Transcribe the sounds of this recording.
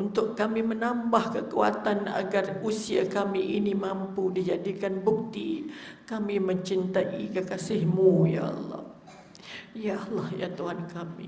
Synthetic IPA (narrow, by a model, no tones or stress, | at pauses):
unt̪ʊʔkːamimənambahkəkua̰t̪ana̰ɡarusia̰kamiʔinimampudid͡ʒadikanbuk̚t̪ikamiməɲt͡ʃint̪aʔḭkəkasɪhmuja̰ʔɑ̰lːɑ̰h | jaʔlɑhja̰t̪uɦankamḭ